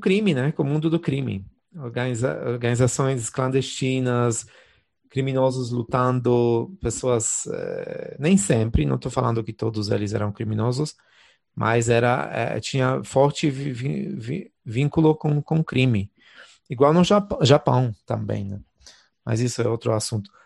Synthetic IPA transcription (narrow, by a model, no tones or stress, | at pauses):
ʊkɾĩmɪnɛkʊmũnd̪ʊd̪ʊkɾĩmɪ̰ | oɾɡaniza̰oɾɡɐnizasõj̃sklɐ̃nd̪est͡ʃĩnɐs | kɾimĩnɔzʊzlut̪ɐ̃nd̪ʊpesoɐzɛ̰nẽj̃sẽmpɾɪnɐ̃t̪owfalɐ̃nd̪ʊkɪt̪od̪ʊzḛlɪzɛ̰ɾɐ̃w̃kɾimĩnɔzʊs | mʔa̰zɛɾɐ̰ɛ̰t͡ʃĩɲɐfɔɾt͡ʃɪvvivḭvĩŋkʊlʊkõkõkɾĩmɪ | iɡwawnʊʒaʒapɐ̃w̃t̪ɐ̃mbḛ̃j̃nɛ | ma̰zisʊɛowt̪ɾʊasũnt̪ʊ̥